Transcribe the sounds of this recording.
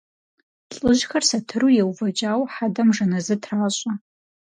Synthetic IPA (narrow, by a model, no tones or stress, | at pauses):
ɬʼɨʒxɐrsɐtʰɨrujewvɐd͡ʒʼaːwħadɐmʐɐnɐzɨtʰraːɕʷʼa